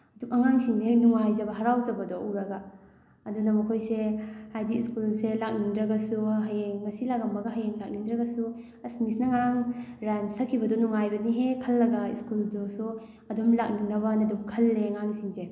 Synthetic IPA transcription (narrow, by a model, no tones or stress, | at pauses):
ɐdukɐŋaŋsinzenuŋajzɐbɐɦɐɾawzɐbɐdɔuɾɐɡa | ɐdunɐmɐkʰojsehajdiiskulselak̚nindɾɐɡasuɦajeŋmɐsilakɐmbɐɡɐɦɐjeŋlak̚nindɾɐɡɐsu | ɐsnisnɐŋaɾaŋɾansɐkʰibɐdɔnuŋajbɐniɦekʰɐlːɐɡaḭskuldosu | ɐdumlak̚ninɐbɐnɐdumkʰɐlːeŋaŋsinze